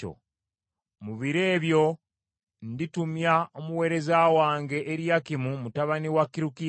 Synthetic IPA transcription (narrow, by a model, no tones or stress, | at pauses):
o̰ | muβiɾe̞ːβjo̞ | nditumjaomuwe̞ːɾe̞zawaːŋɡe̞ʔːɾjakimumutaβaniwakiɾuki